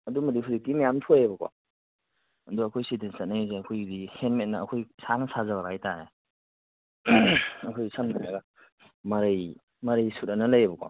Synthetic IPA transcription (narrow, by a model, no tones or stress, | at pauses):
ɐdumɐdihuzik̚timajamtʰujɐbɐkwa̰ | ɐduɐkʰojsidensɐt̚najzeɐkʰojdihenmet̚nɐːkʰojsanɐsazɐbabajtaɾe | ɐkʰojsannaaɡa | mɐɾɐj | mɐɾɐjsutɐnɐlɐjɐbɐkwa̰